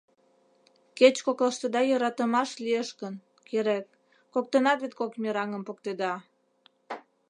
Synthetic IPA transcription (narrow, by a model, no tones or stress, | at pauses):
ket͡ɕkokləʃt̪əd̪ɑjəɾɑt̪əmɑʃlieʃkən | keɾek̚ː | ok̚t̪ənɑt̪vet̪̚kokmʲeɾɑŋəmpok̚t̪ed̪ɑ